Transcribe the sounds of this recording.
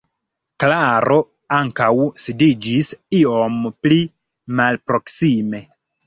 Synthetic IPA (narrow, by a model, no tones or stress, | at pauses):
klaɾo̞ | aŋkawsidid͡ʒisio̞mpli | malpɾo̞ksime̞